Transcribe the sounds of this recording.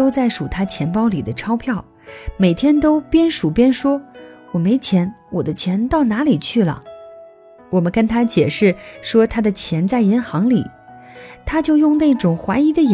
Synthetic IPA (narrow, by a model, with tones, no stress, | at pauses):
o˥ʊt͡sa˥˩ɪʂu˨˩t̪ʰa˥t͡ɕʰjɛ˧˥npɑ˥ʊli˨˩d̪ə˦ʈ͡ʂʰɑ˥ʊpʰjɑ˥˩ʊ | me˨˩ɪt̪ʰjɛ˥nt̪o˥ʊpjɛ˥nʂu˨˩pjɛ˥nʂwɔ˥wɔ˨˩me˧˥ɪt͡ɕʰjɛ˧˥nwɔ˨˩d̪ə˦t͡ɕʰjɛ˧˥nt̪ɑ˥˩ʊna˧˥li˨˩t͡ɕʰy˥˩lə̰˩ | wɔ˨˩mə˦nkə˥nt̪ʰa˥t͡ɕjɛ˨˩ʂɻ̩˥˩ʂwɔ˥t̪ʰa˥d̪ə˨t͡ɕʰjɛ˧˥nt͡sa˥˩ɪi˧˥nxɑ˧˥ŋli˨˩˦ | t̪ʰa˥t͡ɕjo˥˧ʊjʊ˥˧ŋne˥˩ʈ͡ʂʊ˨˩ŋxwa˧˥ɪi˧˥d̪ə˧ɛ˨